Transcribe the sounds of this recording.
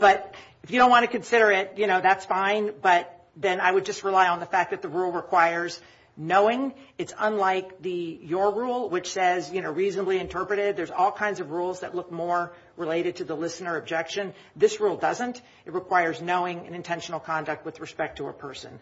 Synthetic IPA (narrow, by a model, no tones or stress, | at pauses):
b̥ʌɾ | ɨfjɨdõn̚ʔwɑ̃ñʰɨkɨ̃n̩sɪɾə˞ɪt̚jɨñoʊðætsfãɪ̃nb̥ʌt̪̚ | ðɨ̃naɪwɨd̚d͡ʒʌst̚ɹəlaɪə̃nðəfæk̚ðɨt̪̚ðəɹulˠɹɨkʰw̥aɪə˞z | noʊɪ̃ŋɨtsə̃nlaɪk̚ðɨjə˞ɹulˠwɨt͡ʃsɛzjɨñoʊɹiznəbliɨ̃ntʰɜ˞pɹɨɾɪd̪̚ðə˞zɔlˠkʰãɪ̃ndzʌvɹulˠzðɨ̰tˡlʊk̚mɔɹ | ɹɨleɪɾɨd̚tʰɨðəlɪsnə˞ɨb̚d͡ʒɛkʃɨ̃n | ðɪsɹulˠdʌzə̃nt | ɨt̚ɹɨkʰw̥aɪə˞znoʊɪ̃ŋɨ̰̃nɨ̃ntʰɛ̃nʃn̩l̩ˠkʰɑ̃ndɨk̚t̚wɨðɹɨspɛk̚tʰəə̰pʰɜ˞sɨ̰̃n